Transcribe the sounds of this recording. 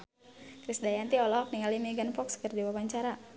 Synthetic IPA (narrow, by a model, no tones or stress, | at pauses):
kɾisdajant̪iɔlɔɦɔk̚niŋalimiɡanfɔkskərdiwawaɲt͡ʃaɾa